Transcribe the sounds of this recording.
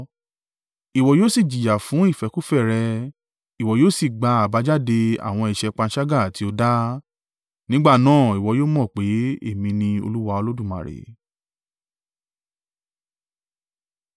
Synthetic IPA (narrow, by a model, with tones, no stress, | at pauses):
i˨wɔ˨joː˦si˦˨d͡ʒi˨ja˨fũ˨˦i˦˨fɛ˨˦ku˦fɛ˦˨ɾɛ˧ | i˨wɔ˨joː˦˨si˦˨ɡ͡ba˧a˨ba˨˦d͡ʒa˦de˧a̰˨w̃ɔ̃˧i˨ʃɛ˧k͡pã˧n̩˦ʃa˦ɡa˦˨ti˨˦o˧da˦ | nĩ˦ɡ͡ba˦˨nãː˦˨i˨wɔ˨˧joː˦mɔ̃˦˨k͡pe˨˦ḛ˦˨mĩ˧nĩ˧o̰˧lu˦wa˧o˧lo˦dũ˦˨mã̰˨ɾḛ˨